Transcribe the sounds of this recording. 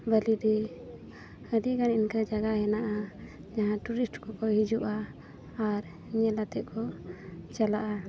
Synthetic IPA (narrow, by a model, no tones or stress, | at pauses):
bəlid̪ɛ | əd̪iɡaninkəd͡ʒaɡaɦɛnaʔa | d͡ʒaɦãʈuɾisʈkɔkɔhid͡ʒuʔaː | ɾ | ɲɛlat̪ɛʔ̪̚kʰɔt͡ʃalaʔa